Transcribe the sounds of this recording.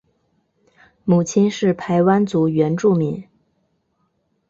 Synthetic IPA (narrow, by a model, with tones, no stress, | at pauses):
mu˨˩t͡ɕʰi˥nʂɻ̩˥˩pʰa˧˥ɪwa˥nt͡su˧˥ɥɛ˧˥nʈ͡ʂu˥˩mi˧˥ŋ